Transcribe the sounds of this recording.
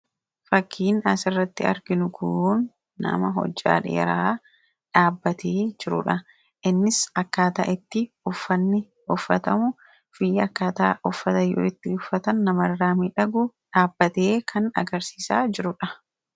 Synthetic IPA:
fɐkʰːiːnɐsɪrːɐt̪ːɪɐ̰ɾɡɪnʊkʰʊnː | ɐ̰mɐɦɔ̰d͡ʒːa̰ːᶑḛːɾaː | ᶑaːbːɐt̪eːd͡ʒɪɾʊ̰ᶑɐ | ʔɪnːɪsɐkːaːt̪ɐ̰ʔɪt̪ːɪ | ʊfːɐnːɪ | ʊfːɐt̪ɐmʊ | fɪjɐkːaːt̪a̰ʔʊfːɐt̪ɐjːʊ̰ːɪt̪ːɪʊfːɐt̪ɐnːɐmɐrːaːmiːᶑɐɡʊᶑaːbːɐt̪e̞ːkʰɐnɐ̰ɡɐɾsiːsaːd͡ʒɪɾʊᶑɐ

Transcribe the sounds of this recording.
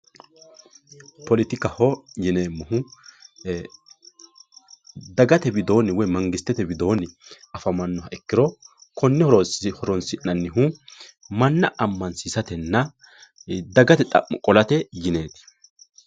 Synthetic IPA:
pɔlɪt̪ɪkɐhɔjɪneːmːʊhʊ | d̪ɐɡɐt̪ɛbɪd̪o̞ːnɪwɔjmɐŋɡɪst̪ːɛt̪ɛbɪd̪o̞ːnɪ | ɐfɐmɐnːɔɦɐʔɛkːɪɾɔkɔnːɪhɔɾɔnsɪnːɐnːɪɦu | mɐnːɐʔɐmːɐnsiːsɐt̪ɛnːɐ | d̪ɐɡɐt̪ɛt̪ʼɐ̰ʔːɔkʼɔlɐt̪ɛjɪne̞ːt̪ɪ̥

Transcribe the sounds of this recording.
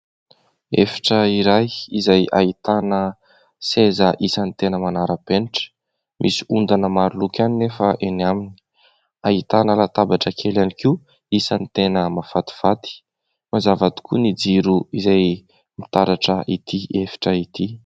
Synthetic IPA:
efi̥ʈ͡ʂəiɾajizajait̪anə | sezəʔisanit̪enəmanaɾəpeniʈ͡ʂə̥ | mʔisi̥und̪anəmaɾulukʲaninefəʔeniamini̥ | ait̪anəlat̪abaʈ͡ʂəkʰelaniki | isanit̪enəmafat̪i̥v̥at̪i̥ | mazavat̪u̥kunid͡ziɾuizaj | mit̪aɾaʈ͡ʂəʔit̪ʰiefi̥ʈ͡ʂəit̪i

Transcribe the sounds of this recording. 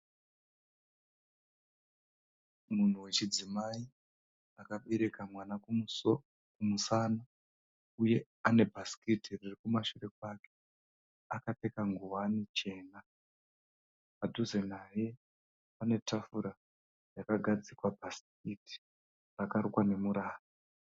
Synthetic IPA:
mun̤uwe̞t͡ʃid͡zimai | akaɓe̞ɾe̞kamwana | kumusaːna | uje̞ | ane̞bʱasi̥kitiririkumaʃure̞kwaːke | akate̞kaŋɡuwanit͡ʃe̞ːna | padʱuzenaje | pane̞tʰafuɾa | jakaɡʱad͡zikwabʱask̚iti̥ | rakarukwane̞muɾaːra

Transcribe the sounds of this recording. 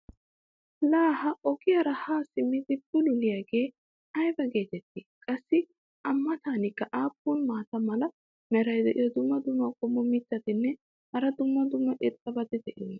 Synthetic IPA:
laːhɐʔɔɡɪjɐɾɐhaːsɪmːɪd̪ɪbʊlʊlɪjaːɡeː | ɐjbɐɡe̞ːt̪ɛt̪ːiːkʼɐsːɪ | ʔɐmːɐt̪aːnɪkːɐʔaːpːuːnmaːt̪ɐmɐlɐ | mɛɾɐjd̪ɛʔɪjɔd̪ʊmːɐd̪ʊmːɐkʼɔmːɔmɪt̪ːɐt̪ɪnːɛ | hɐɾɐd̪ʊmːɐd̪ʊmːɐʔɪt̪ʼːɐbɐd̪ɛd̪ɛʔɪ

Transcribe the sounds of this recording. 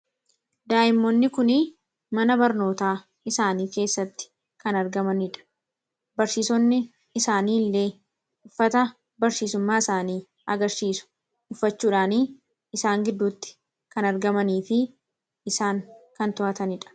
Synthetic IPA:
d̪aːʔɪmːonːɪkʊnɪ | mɐnɐbɐɾno̞ːt̪aː | ɪsaːniːke̞ːsːɐt̪ːɪ̥ | kɐnɐɾɡɐmɐnɪᶑɐ̥ | bɐɾsiːsɔnːɪ | ɪsaːniːlːe̞ː | ʊfːɐt̪ɐ | bɐɾsiːsʊmːaːɪsaːniː | ɐɡɐɾsiːsʊ̥ | ʊfːɐt͡ʃːuːᶑaːniː | ɪsaːŋɡɪd̪ːuːt̪ːɪ̥ | kɐnɐɾɡɐmɐniːfɪ | ɪsaːŋkɐnt̪ʊʔɐt̪ɐnɪᶑɐ̥

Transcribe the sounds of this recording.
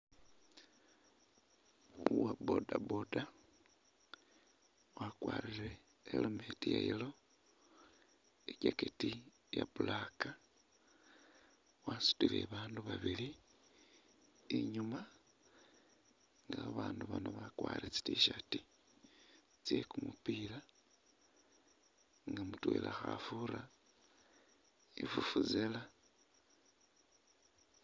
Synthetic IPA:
uwabo̰dabo̞da | wakwaːliɾḛː | lometijailo̞ | eɟaketi | japulaka | wasu̥tilḛβaːnduβaβili | iɲuma | ŋɡaβaːnduβanoβakwaːɾit͡si̥tiʃati | t͡sjekumupiːla | ŋɡamutwḛlʔaxafuɾa | efufuzela

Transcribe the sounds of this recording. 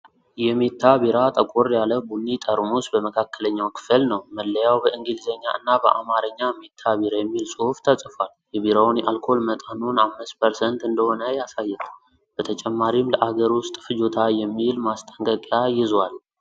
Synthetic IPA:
jɛme̞t̪ʰːabiɾat̪ʼəkʷʼoɾjaləbunːit̪ʼəɾmusbəməkʰakːələɲːawkʰɨ̥fəlnəwməlːəjawbəʔɨŋɡilzəɲːaʔɨnːabəʔamaɾəɲːame̞t̪ʰːaβiɾajɛmːilsʼoft̪ʰəsʼfal | jɛβiɾawnjɛʔalkʰo̞lmət̪ʼanunamːɨspʰəɾsənt̪ɨnd̪əhonəjasajːɛt̪ʰ | b̥ət̪ʰət͡ʃʼɛmːaɾimləʔaɡəɾwʊst̪ʼfɨd͡ʒot̪ʰajɛmːilmast̪ʼəŋkʼəkʼjajɪzwal

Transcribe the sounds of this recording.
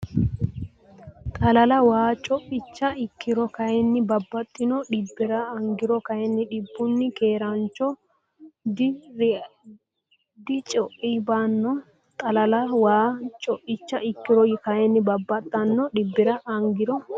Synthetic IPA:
t̪ʼɐlɐlɐwaːt͡ʃʼɔʔɪt͡ʃːɐɪkːɪɾɔkɐjɛnːɪbɐbːɐt̪ʼːɪnɔɗɪbːɪɾɐːŋɡɪɾɔkɐjɛnːɪᶑɪbːʊnːɪkeːɾɐnt͡ʃːɔ | d | d̪ɪt͡ʃʼɔʔibɐnːɔ | t̪ʼɐlɐlɐwaːt͡ʃʼɔʔɪt͡ʃːɐɪkːɪɾɔjɪkɐjɛnːɪbɐbːɐt̪ʼːɐnːɔᶑɪbːɪɾɐʔɐŋɡɪɾɔ

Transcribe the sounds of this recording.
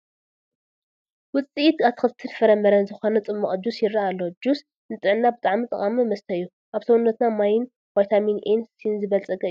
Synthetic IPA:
wʊt͡sʼiit̪at̪kɨlt̪ʰɨnfɐɾɐmːɐɾɐnzɨxo̞nɐt͡sʼɨmːɐχʼd͡ʒusjɪɾaalːo̞d͡ʒus | nɨt͡s̪ʼɨʕɨnːabɨt̪ʼaʕmit̪ʼɐ̰χʼamimɐst̪ʰɐjːu | ʔaβsɐwunːɐt̪namajɪn | wajt̪ʰaminʔensinzɨβɐlt͡sʼɐɡʼɐɨjːu

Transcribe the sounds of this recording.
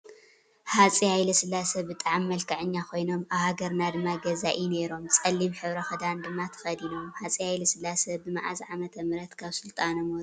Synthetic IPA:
hat͡sʼihajlɐsɨlːasɐbɨt̪ʼaʕmːɐlkʰɐʕɨɲːakʰo̞jno̞maβhaɡɐɾnad̪ɨmːaɡɐzaʔine̞ɾo̞mt͡sʼɐlːimħɨβɾɐxɐd̪and̪ɨmːat̪ʰɐ̥xɐd̪ino̞mħat͡sʼihajlɐsɨlːasɐbɨmaʕazʕamɐt̪ʰɐmɨɾɐt̪kʰaβsɨlt̪ʼanɐmoɾ

